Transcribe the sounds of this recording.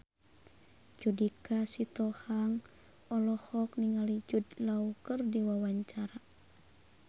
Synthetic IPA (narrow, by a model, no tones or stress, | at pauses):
d͡ʒudikasit̪ɔhaŋ | ɔlɔhɔk̚niŋalid͡ʒud̪laukərdiwawaɲt͡ʃaɾa